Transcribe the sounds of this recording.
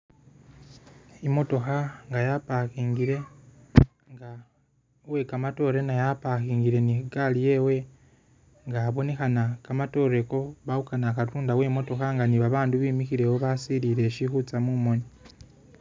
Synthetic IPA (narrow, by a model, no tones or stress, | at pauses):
imo̞to̞xaŋɡajapaxiːŋɡiɾe̞ | ŋɡa | we̞kamato̞ɾe̞najapaxiːŋɡiɾe̞nikalije̞we̞ | ŋɡaβo̞ne̞xanakamato̞ɾe̞ko̞βaukanakatuːndawe̞mo̞to̞xaŋɡaniβaβaːnduβiːmixiɾe̞woβasiliɾe̞ʃixut͡samumo̞ni